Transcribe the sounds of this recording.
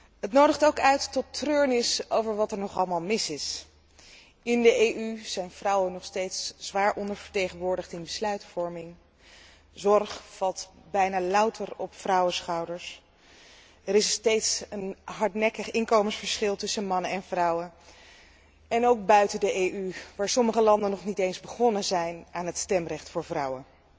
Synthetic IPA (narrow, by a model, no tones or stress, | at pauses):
ɦətnowdəχtowkœɥtːɔtərøːɹnɪsowvəɹʋɑtɛɹnɔχɑlˠəmaːlˠmɪsɪs | ɪndəejʔyz̥ɛjnv̥rʌwənɔχstejtsz̥ʋaːɹʔɔndəɹvəɹtejχənʋʊːɹdəχtɪnbəslœɥtfɔɹmɪŋ | zɔɹχfɑlˠtbɛjnaːlʌwtʰərɔpfrɑwəsχɑwdəɹs | əɾɪstejtsənɦɑɹtnɛkəχɪŋkowmənsfəɹsχɪlˠtɵsənmɑnənɛnvrɑwən | ɛnowk̚bœɥtədəʔejyʋaːɹsɔməχəlɑndənɔχnitejnzbəχɔnəzɛjnʔaːnɦətstɛmrɛχtfʊːɹvrɑwə